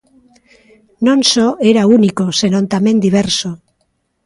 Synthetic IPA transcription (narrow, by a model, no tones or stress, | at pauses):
nõnsoeɾaunikose̞nõ̞nt̪ame̞nd̪iβ̞eɾso